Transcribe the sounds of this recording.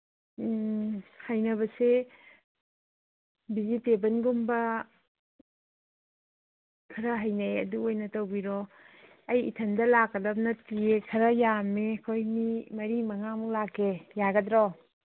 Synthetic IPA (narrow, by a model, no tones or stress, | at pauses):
hajnɐβɐse | bizitebɐnɡumbɐ | kʰɐɾɐɦɐjnajɐ̰duojnɐtowbiɾɔ | ɐjḭtʰɐndɐlakːɐdɐp̚nɐtiekʰɐɾɐjamekʰojnimɐɾimɐŋamulakːejaɡɐdɾɔ